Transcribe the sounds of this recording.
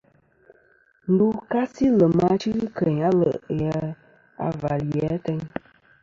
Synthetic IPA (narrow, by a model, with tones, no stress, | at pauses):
n̩˦du˦ka˦si˦lə˨ma˧˦t͡ʃi˦ɣkə˨ɲa˦lə̰˨ʔjə˨˦ | a̰˨va˨ljɛ˨˦tə˦ɲ